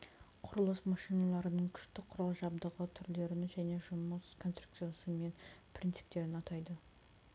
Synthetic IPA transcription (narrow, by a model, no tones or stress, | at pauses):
qʰʊɾəlˠəsmɑʃijnɑlˠɑɾənəɴkʲʰʏ̥ʃt̪ɪqʰʊɾɑlˠʒɑbd̪əʁət̪ʰʏɾle̞ɾɪnʒæne̞ʒʊməskʰonst̪ruk̚t̪sɨjasəme̞npʰɾʲint̪sɨ̥p̚t̪e̞ɾɪnɑt̪ɑjd̪ə